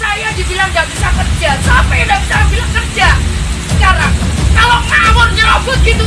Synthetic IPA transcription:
sajadibilaŋd͡ʒat̪isakərd͡ʒasapajaŋdaʔkisaɾaŋbilaŋkərd͡ʒasəkaɾaŋkalomamɔrɲəloɡɔɡit̪u

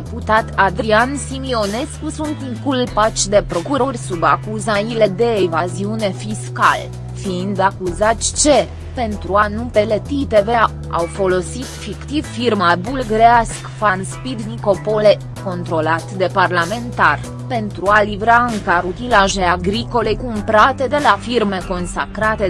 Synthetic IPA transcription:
eput̪at̪ad̪ɾiansimio̞ne̞skusunt̪ɨŋkulpat͡ʃʲd̪e̞pɾo̞kuɾo̞rʲsuba̰kuzaile̞d̪e̞ːvaziune̞fiskal | fiind̪akuzat̪sʲt͡ʃe̞ | pe̞nt̪ɾuanupe̞le̞t̪it̪eve̞ | a̰wfo̞lo̞sit̪fikt̪ivfirmabulɡɾeaskfanspid̪viko̞pole̞ | ko̞nt̪ɾo̞lat̪d̪e̞parlame̞nt̪ar | pe̞nt̪ɾualivɾaɨŋkaɾut̪ilaʒe̞aɡɾiko̞le̞kumpɾat̪e̞d̪e̞lafirme̞ko̞nsa̰kɾat̪e̞

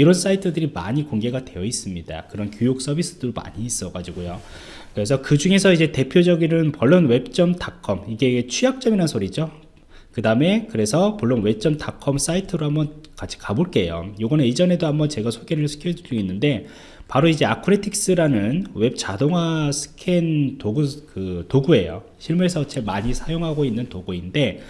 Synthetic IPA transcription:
iɾʌns͈aitʰɯdɯɾima̰ɲikoŋɡe̞ɡadwe̞jʌis͈ɯmɲida̰kɯɾʌnkjojok̚s͈ʌbis͈ɯd̥ɯɾma̰ɲiːs͈ʌɡad͡ʑiɡojo | kɯɾe̞s̬ʰʌkɯd͡ʑuŋe̞sʰʌid͡ʑe̞te̞pʰjod͡ʑʌɡinɯnpʌɭːonwe̞p̚t͡ɕ͈ʌmtakʰʌmiɡe̞et͡ɕʰujak̚t͡ɕ͈ʌminansʰoɾid͡ʑo | kɯdame̞kɯɾe̞sʰʌmoɭːonwe̞p̚t͡ɕ͈ʌmtakʰʌms͈aitʰɯɾohambʌnkat͡ɕʰi̥kaboɭk͈e̞jo̰joɡʌneid͡ʑʌne̞doɦambʌnt͡ɕe̞ɡasʰoɡe̞ɾɯɭsʰɯ̥kʰjod͡ʑid͡ʑuinːɯnde̞ | paɾoid͡ʑe̞akʰɯɾetʰik̚s͈ɯɾanɯnwe̞p̚t͡ɕadoŋɦasʰɯ̥kʰe̞ntoɡukɯtoɡue̞̰jo̰ | ɕʰiɭmuɾesʰʌt͡ɕemaɲisʰajoŋɦaɡoinːɯntoɡuinde̞

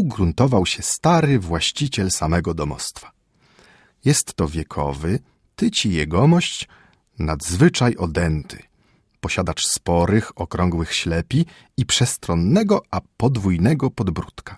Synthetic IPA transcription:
uɡɾunt̪ɔvawɕɛst̪aɾɘvwaɕt͡ɕit͡ɕɛlsamɛɡɔd̪ɔmɔ̰st̪fḁ | jɛst̪ːɔvʲjɛkʰɔ̰vɘ | t̪ɘt͡ɕijɛɡɔmɔɕt͡ɕ | nad̪zvɘt͡ʂajʔɔd̪ɛnt̪ʰɘ̥̰ | pɔɕad̪at͡ʂspɔɾɘxɔkɾɔŋɡwɘxɕlɛpʲi | ipʂɛst̪ɾɔnːɛɡɔʔapɔd̪vujnɛɡɔpɔd̪bɾut̪kḁ

